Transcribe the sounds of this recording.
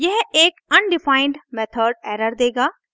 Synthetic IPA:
jɐɦeːkɐnɖɪfaːɪ̃ɳɖmɛːt̪ʰəɖ̚ɛːɾəɾd̪eːɡaː

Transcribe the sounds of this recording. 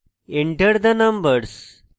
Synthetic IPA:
eɳʈəɾd̪ənɐmbəɾs

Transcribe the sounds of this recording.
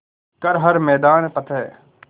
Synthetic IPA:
kəɾɦəɾmɛːd̪aːnːpət̪ʰɛː

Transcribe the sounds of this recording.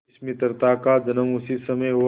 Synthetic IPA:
smɪt̪əɾt̪akad͡ʒɐnəmʊsisɐməjɦu

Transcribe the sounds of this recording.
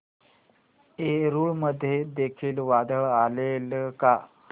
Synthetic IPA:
eɾuːɭməd̪ʱːjed̪ekʰiːlʋad̪əɭalelka

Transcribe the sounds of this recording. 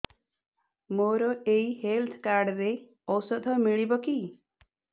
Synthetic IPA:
moɾɔeihelt̪ʰkaɾɖɾe | ɔwsɔd̪ʱɔmiɭibɔki

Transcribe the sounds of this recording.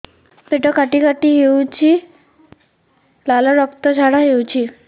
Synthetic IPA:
peʈɔkaʈikaʈiɦewt͡ɕʰi | lalɔɾɔkt̪ɔd͡ʒʰʱaɽaɦewt͡ɕʰi

